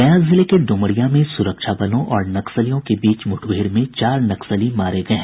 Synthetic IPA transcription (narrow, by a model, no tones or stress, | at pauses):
ɐjãzɪlekeɖʊ̃məɽijamẽsʊɾəkʃabɐlõʔɔːɾnɐksəlijõkebiːt͡ʃmʊʈʰweːɾmẽt͡ʃaːɾnɐksəlimaːɾeɡɐẽ